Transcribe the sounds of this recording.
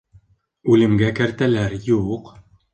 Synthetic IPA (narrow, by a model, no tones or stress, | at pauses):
ʉlɘ̆mɡækæɾt̪ælæɾjuq